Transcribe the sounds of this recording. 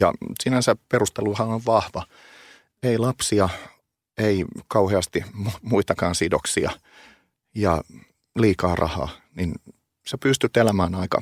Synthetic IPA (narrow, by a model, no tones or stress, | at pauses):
jɑ̰sinænsæperust̪eluhɑnoʋʋɑhʋɑ | eilɑpsiɑ | eikɑuheɑst̪imumuit̪ɑkɑːnsidoksiɑ | jɑ | liːkɑːrʔɑ̰hɑ̰ːnin | sepyst̪yt̪elæmæːnɑikɑ̰